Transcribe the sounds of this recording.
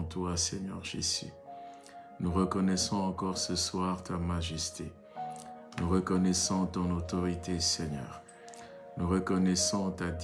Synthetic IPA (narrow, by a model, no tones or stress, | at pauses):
t̪wasɛɲœʁʒḭsḭ | nuʁəkɔnɛsɔ̃ɑ̃kɔʁsəswaʁt̪amaʒɛst̪ḛ | nuʁəkɔnɛsɔ̃t̪ɔ̃not̪ɔʁit̪esɛɲœ̰ːʁ | nuʁəkɔnɛsɔ̃t̪ad̪